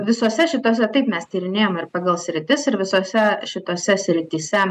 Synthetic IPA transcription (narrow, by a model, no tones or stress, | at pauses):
ʋʲɪsoːsʲɛʃʲɪt̪oːs̬ʲɛt̪ɐɪpmʲɛst̪ʲiːɾʲɪnʲeːjoːmɪrpɑːɡɐlˠsʲɾʲɪt̪ʲɪsɪɾʋʲɪsoːsʲɛʃʲɪt̪oːsʲɛsʲɾʲɪt̪ʲiːsʲɛ